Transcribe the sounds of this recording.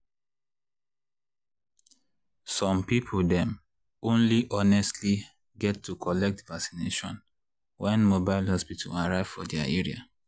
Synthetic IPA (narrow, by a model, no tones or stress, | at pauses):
sɔ̃mpipʰoldɛ̃m | õnliʔɔnɛstʰli | ɡɛtʰːukʰɔlɛk̚tvaksi̥neʃɔ̰̃n | wɛ̃nmobaɪlhɔspitʰa̰laɹaɪv̥fɔdɛaeɹia̰